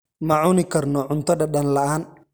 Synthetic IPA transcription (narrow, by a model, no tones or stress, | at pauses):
mɐʕʊnɪkʰɐrnɔʕʊnt̪ʰɐðɐɗɐnlɐʔaːn